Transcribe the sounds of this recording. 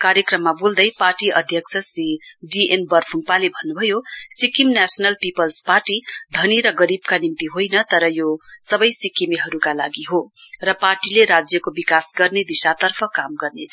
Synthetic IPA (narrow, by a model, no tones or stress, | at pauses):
kaɾjʌkrʌmːabuld̪ʌjparʈiʔʌd̪ʱjʌksʰʌsriɖienbʌrpʰuŋpalebʱʌnːubʱʌjosikimnasʌnʌlpipʌlsparʈid̪ʱʌniɾʌɡʌɾibkanimt̪iɦojnʌt̪ʌɾʌjosʌbʌjsikːimiɦʌɾukalaɡiɦorʌparʈileɾad͡zjʌkobikasɡʌrned̪isat̪ʌrpʰʌkamɡʌrnet͡sʰʌ